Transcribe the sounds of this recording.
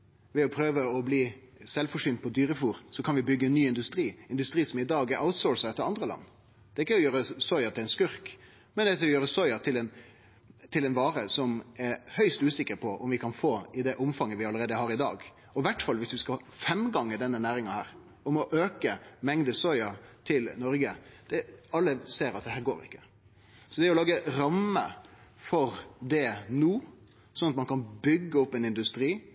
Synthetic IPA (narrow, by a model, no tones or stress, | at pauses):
ʋɛɔpʰɾøːʋəɔbliːsɛlfɔʂʏːnt̪̚pʰɔd̪yːɾəfuːɾsɔkʰɑnʋɪbʏɡːəɛnːyːɪnd̪ʉst̪ɾiːɪnd̪ʉst̪ɾiːsɔmɪd̪ɑːɡæɾʔaʊt̪sɔːɹsɑɛt̪ːəɾɑnd̪ɾəlɑ̰nː | d̪̥ɛɪkːəɔjøːɾəsɔʏɑt̪ʰɪlɛɪnskʉɾk | mɛnd̪ɛsljøːɾəsɔʏɑt̪ʰɪlɛn | t̪ʰɪlɛnʋɑːɾəsɔmɛɾhœʏst̪ʉːsɪkːəɾpʰɔʔɔmʋɪkʰɑnfoːɪd̪ɛʔʊmfɑŋːəʋɪɑləɾeːd̪əhɑːɾɪd̪ɑ̰ːɡ | ɔʋæʈːfɑlʋɪsʋɪskɑ | fɛmɡɑŋːəɖ̪ɛnːənæːɾɪŋɑnhæːɾ | ɔmɔʔøːkəmɛŋd̪əsɔʏɑt̪ʰɪlnɔɾɡəd̪̥ɛɑlːəseːɾɑt̪̚d̪ɛɦæːɾɡoːɾɪ̰kːə̥ | sɔd̪ɛæɾɔlɑːɡəɾɑmə̰fɔɾd̪ɛnuː | sɔnɑt̪mɑnkʰɑnbʏɡːəɔpːɛnɪnd̪ʉst̪ɾiː